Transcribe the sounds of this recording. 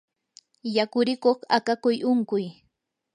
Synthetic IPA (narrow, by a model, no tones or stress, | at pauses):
jakʊɾɪkoχakakʊjʔʊŋkʊj